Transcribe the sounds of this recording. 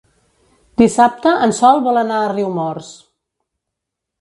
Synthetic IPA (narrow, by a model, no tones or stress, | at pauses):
d̪isap̚t̪əʔənsɔlˠβɔlənaəriwmɔrs